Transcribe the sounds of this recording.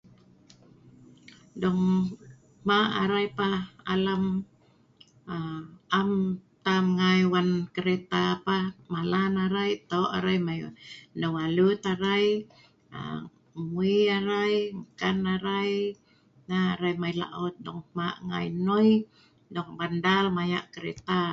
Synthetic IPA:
dɔŋ | maʔaɾajpaa̰lam | aʔamt̪amŋajwankəɾet̪apamalanaɾajt̪oʔa̰ɾajmajdɔŋalut̪aɾaj | a̰ | muiaɾajŋkanaɾaj | naa̰ɾajmajla̰ʔɔt̪̚dɔŋma̰ʔŋa̰jnoj | dɔŋbandalmaja̰ʔkəɾɛ̰t̪a

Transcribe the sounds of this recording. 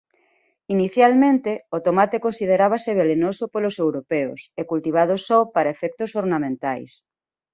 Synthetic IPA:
iniθjalmẽnt̪eot̪omat̪ekonsið̞eɾaβ̞aseβ̞elenosopolosewɾopɛo̰sekult̪iβ̞að̞osɔpaɾaefɛk̚t̪osoɾnamẽnt̪ajs

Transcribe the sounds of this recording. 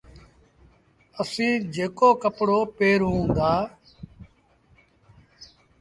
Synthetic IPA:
əsĩːd͡ʒeːkoːkəpɽoːpeːɾɦũːnd̪aː

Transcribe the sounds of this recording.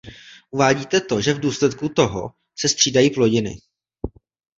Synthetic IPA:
ʔuvaːɟiːt̪ɛt̪o̞ʒɛvduːslɛt̪̚kut̪o̞ɦo̰ | sɛst̪r̝̥iːdajiːplo̞ɟɪnɪ̰

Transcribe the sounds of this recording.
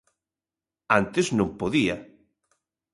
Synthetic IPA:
ant̪eznõmpoðiɐ

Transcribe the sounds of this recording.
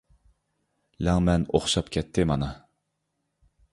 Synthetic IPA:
lɛŋmɛno̰χʃɑpkʲʰɛt̪ʰːɪmɑnɑ

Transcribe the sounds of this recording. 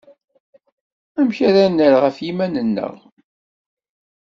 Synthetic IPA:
æmçaɾanːəɾʁəfjimænənːə̰ʁ

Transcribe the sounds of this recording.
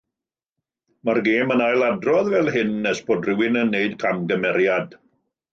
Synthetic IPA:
marɡeːmənajlˠadrɔðvɛlˠɦɪnːɛsb̥oːdrɪwɪnənːeɨdkʰamɡəmɛɾjad̥

